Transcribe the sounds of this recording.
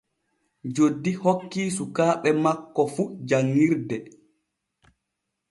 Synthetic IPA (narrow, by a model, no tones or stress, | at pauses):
d͡ʒodːihokːiːsukaːɓɛmakːɔfud͡ʒaŋːiɾdɛ